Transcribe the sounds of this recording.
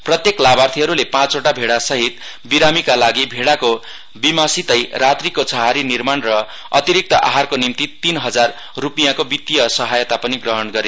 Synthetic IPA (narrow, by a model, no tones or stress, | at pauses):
prʌt̪jeklabart̪ʰiɦʌɾulepãt͡soʈabʱeɽasʌɦit̪ | biɾamikalaɡibʱeɽako | bimasit̪ʌjrat̪rikot͡sʰʌɦaɾinirmanrʌ | ʌ̰t̪iɾik̚t̪ʌʔa̰ɦarkonimt̪it̪inɦʌd͡zarː | upijakobit̪ːijʌsʌɦajʌt̪apʌniɡrʌɦʌnɡʌɾe